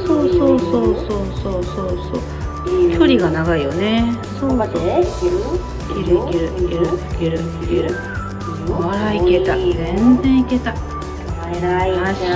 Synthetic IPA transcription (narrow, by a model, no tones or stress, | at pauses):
so̞ːso̞ːsoːsoːsoːsoːso̰ː | kʲo̞ɾʲiɡanaɡaijo̞ne̞ | soaɾ | kʲiɾɯikʲeɾɯ̟kʲeɾɯikʲeɾɯ̟ikʲeɾɯ̟ | βaike̞t̪azẽnzẽ̞ɰ̃ike̞t̪a | aɕ